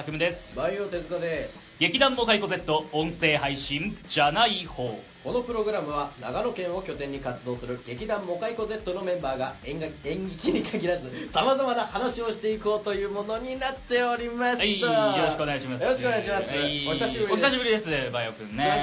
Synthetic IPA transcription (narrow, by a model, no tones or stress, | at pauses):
akɯ̟mɯ̟d̪e̞sɨ̥bajot̪e̞zɨkad̪e̞s | ɡ̥e̞kʲid̪ãmːo̞kaiko̞ze̞t̪ːo̞õɰ̃se̞ːɦaiɕĩnd͡ʑanaiho̞ː | ko̞no̞pɯ̟ɾo̞ɡɯ̟ɾamɯ̟βana̰ɡano̞kẽ̞ɰ̃o̞kʲo̞t̪ẽ̞ɲ̟ːikat͡sɨd̪o̞ːsɨɾɯ̟ɡ̥e̞kʲid̪ãmːo̞kaiko̞ze̞t̪ːo̞no̞mẽ̞mbaːɡaẽ̞ŋɡʲikʲiɲ̟ikʰaɡʲiɾazɨsamazamanahanaɕio̞ɕi̥t̪e̞iko̞ːt̪o̞jɯ̟ːmo̞no̞ɲ̟inat̪ːe̞oɾʲimasajjoɾoɕikɯoneɡaɕimasjoo̞ɕikoneaɕimasɨoisaɕibɯɾioçisaɕibɯ̟ɾʲid̪e̞sɨbajokɯ̟̃nne